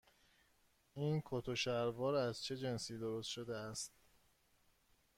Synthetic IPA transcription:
ʔiːnkʰot̪ʰoʃæɾvɒːɾæzt͡ʃʰe̞d͡ʒe̞nsiːd̪oɾost̪ʃod̪eæst̪̚

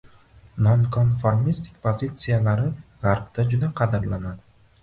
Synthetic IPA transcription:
nonkʰonfoɾmist̪ʰɪ̥k̚ʲpʰozʲit̪sɨjalaɾɪʁaɾb̚t̪ʰad͡ʒʊd̪aqʰɑd̪ɪɾlanad̪ɪ

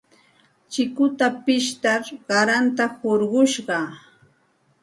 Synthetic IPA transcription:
t͡ʃɪkʊt̪apɪʃt̪aɾɢɑɾant̪ahoɾɢʊʃɢɑ

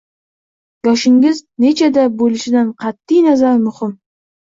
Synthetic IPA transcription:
jɒʃɪŋʲɪzne̞t͡ʃʰad̪abolɪʃɪd̪anqʰɑt̪ːɪjnazaɾmʊhɪm

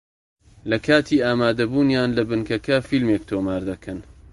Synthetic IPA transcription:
lɐkʰaːt̪ʰiːaːmaːd̪ɐbuːnjaːnlɐbɨŋkɐkɐfilmeːk̚t̪ʰoːmaːɾd̪ɐkʰɐn

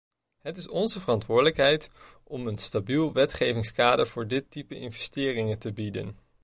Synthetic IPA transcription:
ɦətɪsɔnzəvərɑntʋʊːɹdələkɦɛjt | ɔmənstabilˠʋɛtχejvɪŋskaːdəɹv̥ʊːɹdɪtipəʔɪnvɛstɪːrɪŋətəbidə̰n

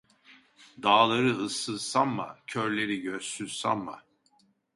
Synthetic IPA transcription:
d̪aːlˠaɾɯɯsːɯsanma̰cʰøɾlʲe̞ɾiɟøsyzsa̰nma̰

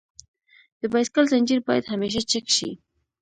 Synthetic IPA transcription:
d̪̥əbajskalzand͡ʒiɾbɑjad̪hameʃ̬at͡ʃəkʃḭ

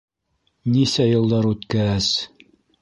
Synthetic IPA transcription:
nisæjɤ̆lˠd̪ɑɾʉt̪kææs

